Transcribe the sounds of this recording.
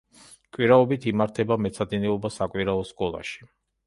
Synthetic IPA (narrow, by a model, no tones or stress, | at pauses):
kʼwiɾaɔbit̪ʰimaɾt̪ʰɛbamɛt̪sʰad̪inɛɔbasakʼwiɾaɔskʼɔlˠa̰ʃi̥